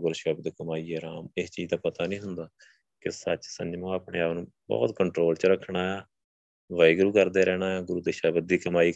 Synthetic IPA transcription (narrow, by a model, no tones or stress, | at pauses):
ɡʊɾʃɛːbd̪kəmaːiːɛːɾaːmɪst͡ʃiːd͡ʒd̪aːpət̪aːnĩːɦʊnd̪aː | kɪsət͡ʃsə̰ɲd͡ʒmãːaːpɳeːaːʋnũː | bɔ̰ːt̪kəɳʈɾoːlt͡ʃəɾəkʰːɳaːeː | ʋaːiɡɾuːkəɾd̪eːɾɛːñaːaːɡʊɾuːd̪eːʃaːbəd̪iːkəmaːiː